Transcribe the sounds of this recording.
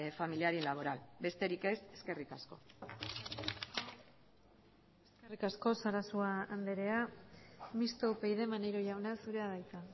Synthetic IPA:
familiaɾilaβ̞o̞ɾalbe̞st̪e̞ɾike̞seske̞rikasko̞ | e̞̥ske̞rikasko̞saɾasuaːnd̪e̞ɾe̞a | mist̪oupe̞jðe̞manejɾoʝawnasuɾe̞aðajt͡s̪a

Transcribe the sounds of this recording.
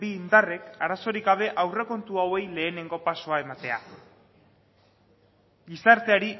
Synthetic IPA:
biːnd̪are̞kaɾaso̞ɾiɡɡaβ̞e̞ʔawre̞ko̞nt̪uawe̞jle̞ːne̞ŋɡo̞paso̞ae̞mat̪ea̰ | ɡisaɾt̪e̞aɾi

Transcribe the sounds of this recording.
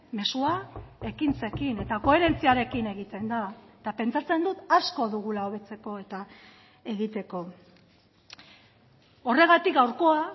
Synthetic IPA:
me̞suae̞kint͡se̞kine̞t̪ako̞e̞ɾe̞nt͡siaɾe̞kine̞ɣ̞it̪e̞nd̪aet̪ape̞nt͡sat͡se̞nd̪ut̪asko̞ðuɣ̞ulaoβ̞e̞t͡se̞ko̞e̞t̪a | e̞ɣit̪e̞ko̞ | o̞re̞ɣ̞at̪ikɡawɾko̞a

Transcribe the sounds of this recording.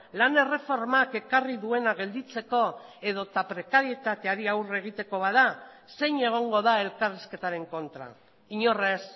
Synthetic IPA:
lane̞re̞fo̞ɾmake̞kariðue̞naɣe̞ld̪it͡se̞ko̞e̞ð̞o̞t̪apɾe̞kaɾie̞t̪at̪e̞aɾiawre̞ɣ̞it̪e̞ko̞βaða | se̞jɲe̞ɣ̞o̞ŋɡo̞ðae̞lkariske̞t̪aɾe̞ŋko̞nt̪ɾa̰ | iɲo̞res

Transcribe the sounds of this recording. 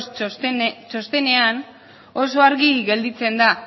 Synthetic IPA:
t͡ʃo̞st̪e̞ne̞an | o̞s̬o̞aɾɣiɣe̞ld̪it͡se̞nd̪a

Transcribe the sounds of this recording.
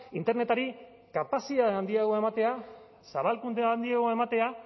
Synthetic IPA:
int̪e̞ɾne̞t̪aɾi | kapasiðaand̪iaɣoe̞mat̪e̞a | saβalkund̪eand̪iaɣ̞o̞e̞mat̪e̞a

